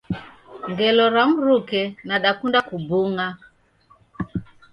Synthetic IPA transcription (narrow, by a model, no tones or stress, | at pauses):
ŋɡɛlɔɾaŋuɾukɛnaɗakundakubuŋa